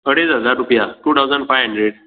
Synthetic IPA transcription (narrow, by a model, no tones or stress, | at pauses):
kəɽed͡zɦəd͡zaɾːupjaʈuːt̪ʰawd͡zəɳfajɦə̃ɳɖɾeɽ